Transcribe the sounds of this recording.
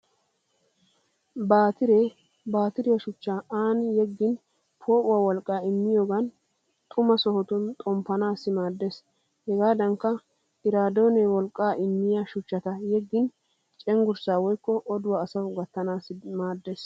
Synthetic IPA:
baːt̪ɪɾɛ | baːt̪ɪɾɪwɐʃʊt͡ʃːaaːnjɛɡːɪn | pʰo̞ːʔʊwawɔlkʼːaːɪmːɪjoːɡɐn | t̪ʼʊmɐsɔhɔt̪ʊnt̪ʼɔmpːɐnaːsːɪmaːd̪ːes | hɛɡaːd̪ɐŋkːɐ | ɪɾaːd̪o̞ːnɛwɔlkʼːaːʔɪmːɪjaːʃʊt͡ʃːɐt̪ɐjɛɡːɪn | t͡ʃʼɛŋɡʊɾsaːwɔjkːɔʔɔd̪ʊwaːsɐwɡɐt̪ːɐnaːsɪmaːd̪ːes

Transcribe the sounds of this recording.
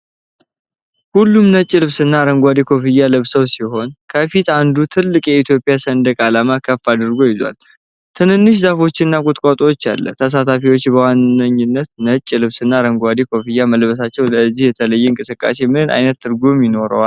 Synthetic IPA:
hulːumnət͡ʃʼːilɨβsɨnːaɾəŋɡʷad̪ikʰo̞fijːalɨβsəwsiho̞nkʰəfit̪and̪ut̪ʰɨlːɨkʼjɛit̪ʰjo̞pʼɪjasənd̪əkʼalamakʰəfːad̪ɨɾɡo̞jɪzwa̰l | t̪ʰɨnɨnːɨʃ̬zafo̞t͡ʃːɪnːakʼut̪ʼkʼat̪ʼowot͡ʃːa̰lːə̰t̪ʰəs̬at̪ʰafiwot͡ʃːbəwanːəɲːɪnːət̪nət͡ʃʼːilɨβsɨnːaɾəŋɡʷad̪ikʰo̞fijːaməlbəsat͡ʃːɛwləzːihjɛt̪ʰələjːɛɨŋkʼɨsɨkʼːa̰se̞mɨhɨna̰jnət̪ːɨɾɡumjɪno̞ɾə̰wa

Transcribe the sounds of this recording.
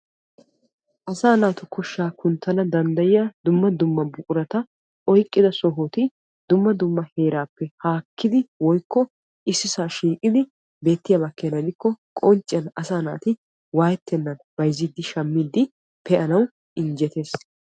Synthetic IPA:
ʔɐsaːnaːt̪ʊkʊʃːaːkʊnt̪ːɐnɐd̪ɐnd̪ɐjɪjɐd̪ʊmːɐd̪ʊmːɐbʊkʼʊɾɐt̪ɐ | ɔjkʼːɪd̪ɐsɔɦot̪ɪ | d̪ʊmːɐd̪ʊmːɐhe̞ːɾaːpːɛhaːkːɪd̪ɪwɔjkːɔ | ʔɪsːɪsaːʃiːkʼɪd̪ɪ | be̞ːt̪ːɪjabɐkːenɐd̪ɪkːɔkʼɔnt͡ʃʼːɪɐnɐsaːnaːt̪ɪ | waːjɛt̪ːɛnːɐnbɐjzːɪd̪ːɪʃɐmːɪd̪ːɪ | pʰɛʔɐnɐw | ʔɪnd͡ʒɛt̪e̞ːs

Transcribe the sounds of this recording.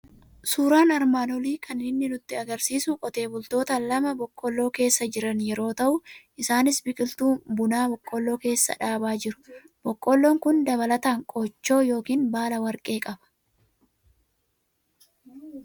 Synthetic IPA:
suːɾaːnɐɾmaːnɔliːkʰɐnɪnːɪnʊt̪ːɪɐɡɐɾsiːsʊkʼɔt̪e̞ːbʊlt̪o̞ːt̪ɐlɐmɐbɔkʼːɔlːo̞ːke̞ːsːɐd͡ʒɪɾɐnjɛɾo̞ːt̪ɐʔʊʔɪsaːnɪsbɪkʼɪlt̪uːbʊnaːbɔkʼːɔlːo̞ːke̞ːsːɐ̰ᶑaːbaːd͡ʒɪɾʊ̥ | b̥ɔkʼːɔlːoːŋkʊnd̪ɐbɐlɐt̪aːŋkʼɔt͡ʃːo̞ːjo̞ːkiːnbaːlɐwɐɾkʼe̞ːkʼɐbɐ̥

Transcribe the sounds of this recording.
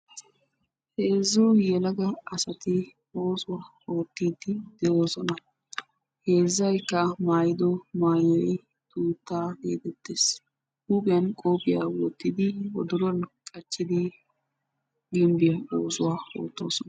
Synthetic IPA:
he̞ːzːʊjɛlɐɡɐɐsɐt̪ɪ | o̞ːsʊwaː | o̞ːt̪ːiːd̪ɪd̪̥ɛjo̞ːsɔnɐ | he̞ːzːɐjkːɐmaːjɪd̪ɔmaːjɔ | t̪uːt̪ːaːɡḛːt̪ɛt̪ːeːs | huːbɪjɐnkʼoːpʼɪja̰ːwɔt̪ːɪd̪ɪwɔ̰d̪ʊɾɔnkʼɐt͡ʃːɪd̪ɪ | ɡɪmbɪjɐo̞ːsʊwaːo̰ːt̪ːo̞̰ːsɔnɐ

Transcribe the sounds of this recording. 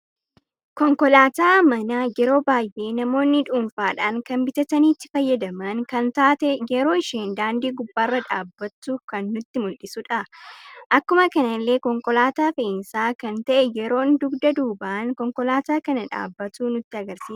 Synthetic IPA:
kɔŋkɔlaːt̪aːmɐnajɛɾo̞ːbaːjʔe̞ːnɐmo̞ːnːɪᶑuːnfaːᶑaːŋkɐnbɪt̪ɐt̪ɐniːt̪ːɪ̥fɐjːɐd̪ɐmɐŋkɐnt̪aːt̪ɛjɛɾo̞ːɪʃeːnd̪aːnd̪iːɡʊbːaːrːɐᶑaːbːɐt̪ːʊkɐnːʊt̪ːɪmʊlᶑɪsʊᶑɐʔɐkːʊmɐkɐnɐlːe̞ːkɔŋkɔlaːt̪aːfɐɪnsaːkɐnt̪ɐʔɛjɛɾo̞ːnd̪ʊɡd̪ɐd̪uːbaːnkɔŋkɔlaːt̪aːkɐnɐᶑa̰ːbːɐt̪uːnʊt̪ːɪɐɡɐɾsiːs

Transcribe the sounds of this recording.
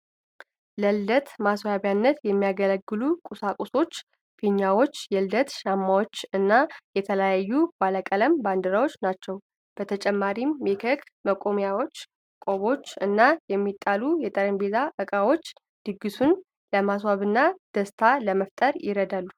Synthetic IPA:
ləld̪ət̪maswaβjanːət̪jɛmːijaɡələɡːɨlukʼusakʼuso̞t͡ʃː | fiɲːawo̞t͡ʃːjɛld̪ət̪ʃamːawo̞t͡ʃːɨnːajɛt̪ʰələjajːub̥aləkʼələmband̪əɾawo̞t͡ʃːnat͡ʃːɛw | b̥ət̪ʰət͡ʃʼɛmːaɾimːekʰəɡməkʼomjawo̞t͡ʃː | kʼo̞βo̞t͡ʃːɨnːajɛmːit̪ʼːalujɛt̪ʼəɾəmbezaʔɨkʼawo̞t͡ʃː | d̪̥ɨɡːɨsun | ləmas̬waβɨnːad̪̥əst̪ʰaləməft̪ʼəɾjɪɾəd̪alːu

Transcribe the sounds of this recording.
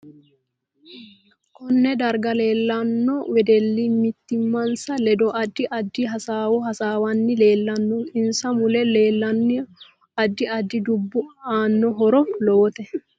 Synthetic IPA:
kɔnːɛd̪ɐɾɡɐle̞ːlːɐnːɔwɛd̪ɛlːimɪt̪ːɪmːɐnsɐlɛd̪ɔʔɐd̪ːɪʔɐd̪ːɪɦɐsaːwɔhɐsaːwɐnːɪle̞ːlːɐnːɔkʼɪnsɐmʊlɛle̞ːlːɐnːɪ | ɐd̪ːɪɐd̪ːɪd̪ʊbːʊaːnːɔɦɔɾɔlɔːɔt̪ɛ

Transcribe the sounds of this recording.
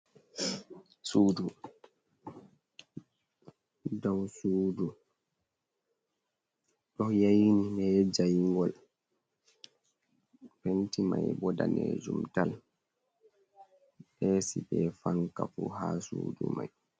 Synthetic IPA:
suːdu | dawsuːdu | ɗɔhjajininɛd͡ʒajiŋɡɔl | pentimajbɔdanɛ̰d͡ʒumtal | ɓɛsiɓɛfaŋkafuɦasuːdumaj

